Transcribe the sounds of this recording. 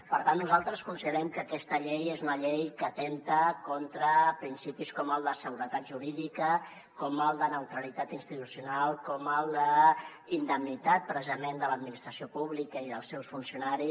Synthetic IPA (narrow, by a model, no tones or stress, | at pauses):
pəɾt̪anːuzalˠt̪ɾəskunsiðəɾɛmkəkɛst̪əʎɛjezunəʎɛjkəːt̪ent̪əkɔnt̪ɾəpɾinsipiskɔməlˠd̪əsəɣuɾət̪at̪ʒuɾiðikə | kɔməlˠd̪ənəwt̪ɾəlit̪at̪inst̪it̪usiunalˠkɔməlˠd̪əind̪əmnit̪at̪̚pɾəzəmend̪ələd̪minist̪ɾəsiopuβ̞likəiðəlˠsɛwsfunsiunaɾi